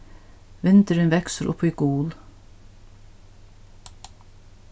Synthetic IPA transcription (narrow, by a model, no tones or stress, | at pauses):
ʋɪnt̪əɾɪnʋɛksəɾʔʊ̰piɡuːl